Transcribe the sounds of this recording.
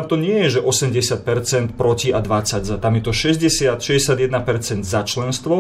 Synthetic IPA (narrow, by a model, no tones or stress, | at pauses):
amt̪ɔɲɪɛjɛʒɛʔɔsɛmɟɛsɪat̪̚pɛɾt͡sɛnt̪pɾɔciad̪ʋat͡saɟzat̪amjɛt̪ɔʃɛzɟɛsɪat̪ʃɛzɟɛsɪad̪jɛd̪napɛɾt͡sɛnd̪zat͡ʃlɛnst̪ʋɔ